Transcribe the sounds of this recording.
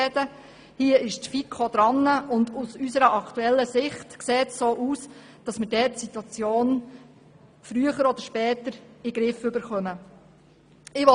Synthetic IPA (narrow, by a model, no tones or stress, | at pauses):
ɛdə | hiəɪʃtfikʰːod̥̪ɾɑnːəʔʊndusysəɾəʔɑkt̪uɛlːəsɪχtkseːtsoːʔuːs | d̥ɑsmədɛːtsitwɑt͡sjoːn | fɾyəχəɾɔd̥̪əɾʃpɛːt̪əɾɪɡɾɪfʏbəɾχœmə | ɪʋɔ